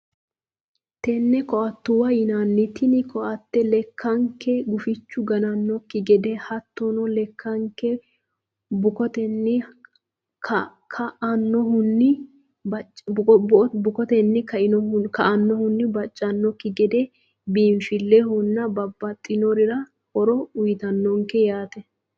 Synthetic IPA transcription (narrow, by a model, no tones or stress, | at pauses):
t̪ɛnːɛkɔɐt̪ːʊwɐjɪnanːɪt̪ɪnɪkʰɔʔɐt̪ːɛlɛkːɐŋkɛɡʊfɪt͡ʃːʊɡɐnɐnːɔkːɪɡɛd̪ɛhɐt̪ːɔnɔlɛkʰːɐŋkːɛ | bʊkɔt̪ɛnːɪ | kʰ | kʰɐɐnːɔhʊnːɪ | bɐt͡ʃ | bʊkɔt̪ɛnːɪkɐʔɪnɔhʊnkɐʔɐnːɔhʊnːɪbɐt͡ʃʼːɐnːɔkːɪɡɛd̪ɛ | biːɱfɪlːɛhʊnːɐbɐbːɐt̪ʼːɪnɔɾɪɾɐ | hɔɾɔʊjt̪ɐnːɔŋkɛjaːt̪ɛ